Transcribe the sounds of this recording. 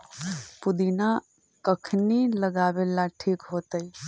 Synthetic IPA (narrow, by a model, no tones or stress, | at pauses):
pʊd̪ina | kəkʰniləɡaːbelaʈʰiːkɦoːt̪əi